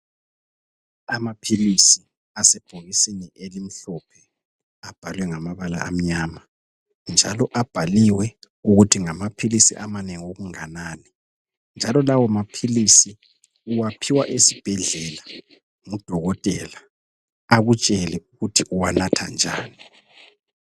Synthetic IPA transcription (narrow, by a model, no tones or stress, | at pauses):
amapʰilisi | asɛb̥ʱoɣisiɲɛʔelim̩ɬɔpʰɛ | ab̥ʱalwɛŋamaβala̰ʔa̰m̩ɲaːma | nd͡ʒʱalɔʔab̥ʱaliwɛ | uɣutʰiŋamapʰilisḭʔamaneŋoɣuŋanani | nd͡ʒʱalɔlawɔmapʰilisi | uwapʰiwaʔesib̥ʱɛɮɛla | ŋud̥ʱɔɣɔtʼɛla | aɣut͡ʃʼɛlɛuɣutʰiʔuwanatʰa̰nd͡ʒʱa̰ːni